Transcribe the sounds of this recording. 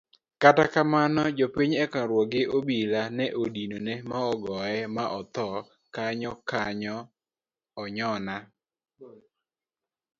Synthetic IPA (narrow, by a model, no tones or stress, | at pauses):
katakamanɔd͡ʒopiɲɛkaɾwɔɡɪʔobilanɛʔodinonemaɔɡɔɛmaʔɔt̪ɔ | kaɲɔkaɲɔː | ɲɔna